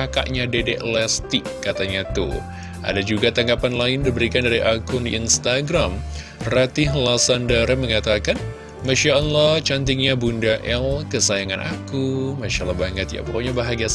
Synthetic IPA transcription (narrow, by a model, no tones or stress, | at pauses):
aka̰ʔɲadedɛʔlɛst̪ɪkːat̪aɲat̪ṵ | ʔa̰dad͡ʒuɡat̪aŋɡapanlaɪndibəɾikandaɾiʔakʊndiinst̪aɡɾam | rat̪ɪɦlasandəɾəməŋat̪akan | maʃaɔlːɔht͡ʃant̪̬ɪŋɲabundaʔɛlkəsajaŋanʔa̰kumaʃaʔlːɔhbaŋət̪̚ja̰pooɲabaɦaɡias